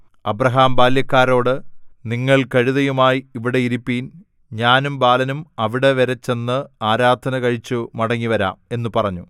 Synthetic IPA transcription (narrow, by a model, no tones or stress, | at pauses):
ɐbrɐɦaːmbaːljɐkːaːɾo̞ːɽɨniŋːɐɭkɐɻiðɐjumaːjiiʋiɽe̞iɾipːiːn | ɲaːnumbaːlɐnumɐʋiɽe̞ʋeɾɐt͡ɕːe̞nːɨaːɾaːd̪ʱɐnɐkɐɻit͡ɕːumɐɽɐŋːiʋɐɾa̰ːme̞nːupɐrɐɲːu